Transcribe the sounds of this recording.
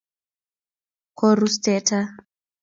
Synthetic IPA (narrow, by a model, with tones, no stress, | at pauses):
kʰɔ˨ɾustɛta˦